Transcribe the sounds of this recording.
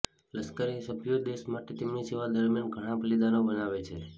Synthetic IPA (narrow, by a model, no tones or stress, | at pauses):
ləskəɾisəbʱjod̪eʃmaʈet̪emniseʋad̪əɾmijanɡʱəɽ̃aplid̪anobənaʋet͡ʃʰe